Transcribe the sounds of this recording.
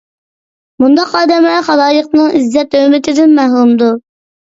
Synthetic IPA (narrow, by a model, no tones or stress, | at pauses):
mund̪ɑqɑːd̪ɛmɛχɑd̪ɑːjəq̚nɨŋizːɛt̪ømɪt̪ʰɪd̪ɪnmæɦlˠumd̪u